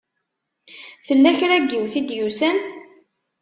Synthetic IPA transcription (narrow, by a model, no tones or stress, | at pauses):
θəlːæçɾæɡːiwθid̪jusæn